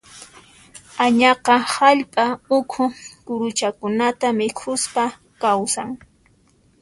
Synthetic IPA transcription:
aɲɑqɑhaʎpʼaʊkʰʊkʊɾʊt͡ʃakʊnat̪amɪkʰʊspa | kawsaŋ

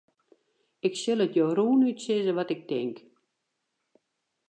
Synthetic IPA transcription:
ɪksɪlˠətjowruːnytsɪzəʋɔtɪk̚tɪŋk

